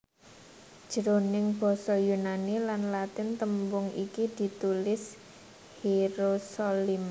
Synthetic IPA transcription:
d̥ʒ̥əɾonɪŋb̥ɔ̤sɔjunanilanlat̪ɪnt̪əmbʊŋikid̪̥i̤t̪ulɪs | hiɾosolim

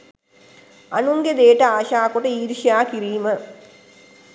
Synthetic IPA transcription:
anuŋɡed̪eːʈəaːʃaːkoʈəiːɾʃijaːkiɾiːmə

